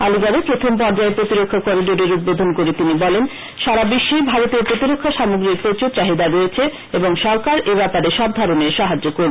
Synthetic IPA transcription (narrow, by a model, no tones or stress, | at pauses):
aliɡabepɾot̪ʰompɔɾd͡ʑaepɾot̪iɾokʰːakɔɾiɖoɾeɾud̪̚bod̪ʱonkoɾet̪inibɔlen | ʃaɾabiʃːibʱaɾot̪eɾpɾot̪iɾokʰːaʃamoɡɾiɾpot͡ɕot͡ɕaɦid̪aɾojet͡ɕʰe | eboŋʃɔɾkaɾebɛpaɾeʃɔb̚d̪ʱaɾoneʃaɦad͡ʑokoɾ